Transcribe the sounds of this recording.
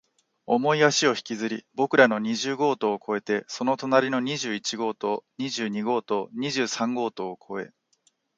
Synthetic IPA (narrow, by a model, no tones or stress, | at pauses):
o̞mo̞iaɕio̞çi̥kʲizɨɾʲibo̞kɯ̟ɾano̞ɲ̟iʑɨːɡo̞ːt̪o̞ːkʰo̞e̞t̪e̞so̞no̞t̪o̞naɾʲino̞ɲ̟iʑɨːit͡ɕiɡo̞ːt̪oɲiʑɨːɲ̟iɡo̞ːt̪o̞ɲ̟iʑɨːsãŋɡo̞ːt̪o̞ːkʰo̞e̞̰